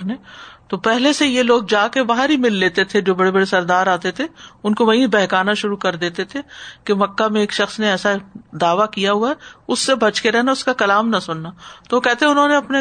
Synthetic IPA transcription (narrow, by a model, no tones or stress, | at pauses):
neːt̪opɛɦlesejeloːɡ̚d͡ʒaːkebaːɦaɾɦimɪlːeːt̪et̪ʰed͡ʒoːbɐɽebɐɽesɐɾd̪aːɾaːt̪et̪ʰeʊnkoʋɐɦĩbɛɦkaːnaʃʊɾukɐɾd̪eːt̪et̪ʰekemɐkːamẽeːkʃɐxsneɛːsad̪aːʋakijaɦuaɛʊsːebʱɐt͡ʃkeɾɛɦnaʊskakɐlaːmnɐsʊnːat̪oʋokɛɦt̪eɦɛʊnɦõneɐpne